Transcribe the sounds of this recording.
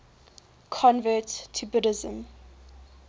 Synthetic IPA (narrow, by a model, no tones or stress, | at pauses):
kʰɔ̃nvəˑtʰːubʊɾɪzə̃m